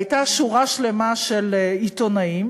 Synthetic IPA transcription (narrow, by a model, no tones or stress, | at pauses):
jtaʃuʁaʃle̞maʃelitonaim